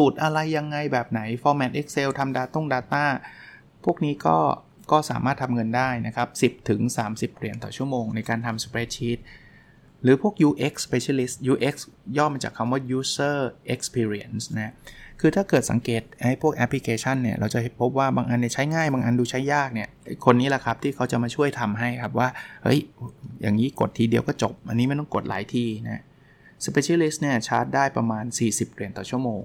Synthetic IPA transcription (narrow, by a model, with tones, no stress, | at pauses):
suː˨˩t̪̚ʔa˧ɾa˧jːa˧ŋːa˧jbɛː˨˩p̚na˩˦jfɔː˧mɛː˨˩t̪ʔe˦˥k̚se˧wt̪ʰa˧mdaː˧t̪o˥˩ŋdaː˧t̪aː˥˩ | pʰu˥˩ək̚niː˦˥kɔ̰ː˥˩ | kɔː˥˩saː˩˦maː˥˩t̪ʰa˧mŋɤ˧ndaː˥˩jna˦˥kʰa˦˥p̚si˨˩p̚t̪ʰɯ˩˦ŋsaː˩˦msi˨˩p̚ɾi˨˩ənt̪ɔ̰ː˨˩t͡ɕʰu˥˩əmoː˧ŋna˧jkaː˧nt̪ʰa˧mspɾeː˦˥t͡ɕʰiː˦˥t̪̚ | ɾɯː˩˦pʰu˥˩ək̚juː˧ʔe˦˥k̚spe˧t͡ɕʰa˧li˦˥st̪̚juː˧˥ʔe˦˥k̚sjɔː˥˩mmaː˧t͡ɕaː˨˩kʰːa˧mwaː˥˩juː˨˦˥sɤː˥˩ʔe˦˥k̚spʰiː˧ɾi˦˧ə˥˩nsna˦˥kʰɯː˧t̪ʰaː˥˩kɤː˨˩t̪̚sa̰˩˦ŋkeː˨˩t̪̚ha˦˥˩jpʰu˥˩ək̚ʔɛ˦˥pʰːli˧˥kʰeː˧t͡ɕʰa˥˩nːi˥˩ɐɾʔa˧wt͡ɕa˨˩he˨˩pʰo˦˥p̚waː˥˩baː˧ŋʔa˧nːi˥˩t͡ɕʰa˦˥jŋaː˥˩jbaː˧ŋʔa˧nduː˧t͡ɕʰa˦˥jaː˥˩k̚ni˥˩ɐ˥jkʰo˧nːiː˦˥la˨˩kʰa˦˥p̚t̪ʰiː˥˩kʰa˦˥wt͡ɕa˨˩maː˧t͡ɕʰu˥˩əjt̪ʰa˧mɦa˥˩jkʰa˦˥p̬̚waː˥˩hɤ̰˦˥˩jja̰ː˨˩ŋiː˦˥ko˨˩t̪ʰːiː˧di˧əwkɔː˥˩t͡ɕo˨˩p̚ʔa˧ni˦˥ma˥˩jt̪ɔ˥˩ŋko˨˩t̪̚la̰ː˩˦jt̪ʰiː˧na˦˥ | spe˧t͡ɕʰiː˧li˦˥st̪̚ni˥˩ɐt͡ɕʰa̰˦˥t̪̚daː˥˩jpɾa˧maː˧nsiː˨˩si˨˩p̚ɾi˨˩ənt̪ɔː˨˩t͡ɕʰu˥˩əmoː˧ŋ